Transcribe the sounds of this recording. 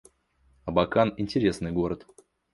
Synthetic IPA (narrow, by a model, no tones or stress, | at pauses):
ɐbɐkanɪnʲtʲɪɾʲe̞snɨjɡo̞ɾət̪